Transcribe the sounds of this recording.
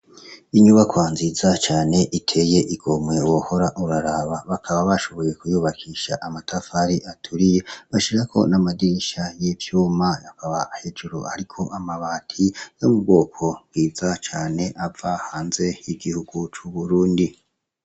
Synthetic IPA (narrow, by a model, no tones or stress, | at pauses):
iɲuβakwaːnzizat͡ʃaːne̞ʔitʰe̞je̞ʔiɡ̥o̞mwe̞uwoho̞ɾaʔuɾaɾaβaβakʰaβaβaʃo̞βo̞je̞kujuːβakʰiʃaʔamatafaɾiʔatʰuɾije̞βaʃiɾakʰo̞̰namadiɾiʃajivjuːmajakaβaːhed͡ʒuɾoaɾikʰo̞ʔamaβaːtʰijo̞mubɡo̞ːkʰo̞bɡiːzat͡ʃaːne̞ʔavahaːnze̞jiɡihuɡ̥ut͡ʃuβuɾuːndi